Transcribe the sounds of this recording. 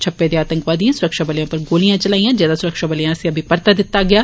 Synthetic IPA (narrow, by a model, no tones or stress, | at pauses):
t͡ʃʰɐpːed̪eaːt̪ə̃ŋkʋaːd̪ijãsʊɾɐkʃabɐljõpɐɾɡoːlijãt͡ʃɐlaːijãd͡ʒjaːd̪asʊɾəkʃabɐljãseɐbʱipɐɾt̪ad̪ɪt̪ːaɡɐjaː